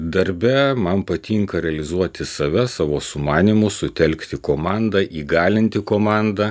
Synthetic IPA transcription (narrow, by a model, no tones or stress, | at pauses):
d̪ɐɾʲbʲɛmɐnpɐt̪ʲiːŋkɐɾʲɛɐlʲɪzuɔt̪ʲɪsɐʋʲɛsɑːʋoːsʊmɑːnʲɪmʊsʊt̪ʲɛlʲkt̪ʲɪkoːmɑnd̪ɐʔiːɡɑːlʲɪnʲt̪ʲɪkoːmɑˑnd̪ɐ